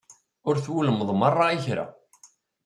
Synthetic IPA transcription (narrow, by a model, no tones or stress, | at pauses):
ɔɾθuləmðˤmarˤːaiçɛɾa̰